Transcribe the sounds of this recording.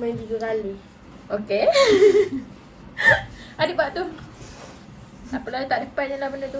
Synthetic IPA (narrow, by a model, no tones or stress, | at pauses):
mad͡ʒuɡəkali | oke | adiʔbaʔt̪u | apəlaut̪aʔdəpat̪̚ɲəlahbəndət̪u